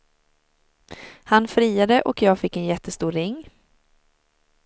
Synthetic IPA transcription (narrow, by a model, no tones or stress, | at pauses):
hanfɾiːad̪əʔɔkjɑːɡfɪkːɛnjɛt̪ːəst̪uːɾɾɪŋː